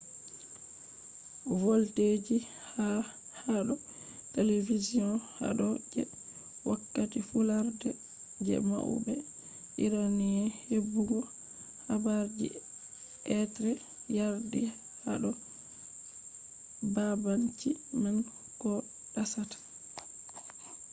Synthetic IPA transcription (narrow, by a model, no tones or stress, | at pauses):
wolted͡ʒi | ha | haɗɔ | televizijɔ̃nha̰ɗɔd͡ʒɛ̰ | wakːatifulaɾdɛ | d͡ʒɛ̰ma̰ʔṵbɛ | ʔiɾaniɛhebːuɡɔ | habaɾd͡ʒḭ | ʔɛtɾɛ | jaɾdi | haɗɔ | babant͡ʃiman | kɔ | ɗasatḁ